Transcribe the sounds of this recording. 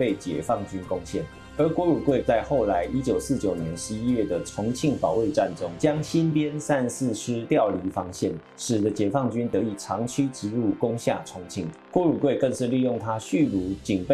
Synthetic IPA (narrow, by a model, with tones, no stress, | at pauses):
pe˥˩ɪt͡ɕjɛ̰˨˩fɑ˥˩ŋt͡ɕy˥nkʊ˥ŋɕjɛ˥˩n | ə˞˨˥kwɔ˧˥ɻu˨˩kwe˥˩ɪt͡sa˥˧ɪxo˥˩ʊla˧˥ɪʔi˥t͡ɕjo˨˩ʊsɹ̩˥˩t͡ɕjo˨˩ʊnjɛ˧˦nʂɻ̩˧˦ii˦˥ɥɛ˥˩d̪ə˩ʈ͡ʂʰʊ˧˥ŋt͡ɕʰi˥˩ŋpɑ˨˩ʊwe˥˧ɪʈ͡ʂa˥˨nʈ͡ʂo˥ŋt͡ɕjɑ˥ŋɕi˥npjɛ˥nsa˥˧nsɹ̩˥˨ʂʰɻ̩˥t̪jɑ˥˨ʊli˧˥fɑ˥ŋɕjɛ˥˩n | ʂɻ̩˨˩d̪ə˦t͡ɕjɛ˨˩fɑ˥˩ŋt͡ɕy˥nt̪ɤ˧˦i˨˩ʈ͡ʂʰɑ˧˥ŋt͡ɕʰy˥ʈ͡ʂɻ̩˧˥lu˥˩kʊ˥ŋɕja˥˩ʈ͡ʂʰʊ˧˥ŋt͡ɕʰi˥˩ŋ | kwɔ˧˥ɻu˨˩kwe˥˧ɪkə˥˧ŋʂɻ̩˥˧li˥˧jʊ˥˩ŋt̪ʰa˥ɕy˥˩lu˧˥t͡ɕi˨˩ŋpe˥